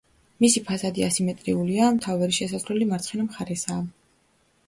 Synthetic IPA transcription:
misipʰazad̪iasimɛt̪ʼɾiuliamt̪ʰavaɾiʃɛsazlɛlimaɾt̪sʰχɛnamχaɾɛsaː

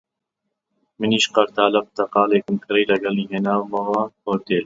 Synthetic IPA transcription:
mɨniːʃqɐɾt̪ʰaːlɐp̚t̪ɐqɑːleːkɨmkʰɨɾijlɐɡɐliːɦeːnaːwmɐwahoːɾd̪eːl

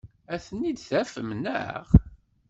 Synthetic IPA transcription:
æθənːid̪θæfəmnə̰ʁ

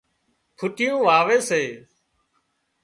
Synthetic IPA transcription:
pʰʊʈɪjũːʋaːʋeːseː

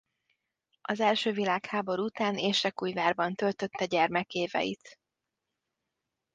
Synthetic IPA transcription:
ɒzɛlʃøːvilaːkhaːbo̞ɾuut̪aːneːʃɛkuːjvaːrbɒnt̪ø̞lt̪ø̞t̪ːɛɟɛrmɛkeːvɛ̰jḭt̪

